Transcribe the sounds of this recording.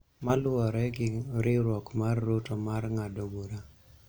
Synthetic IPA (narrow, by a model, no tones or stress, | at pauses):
malʊɔɾɛɡɪɾɪɾwɔkmarːotomarŋadoɡoɾa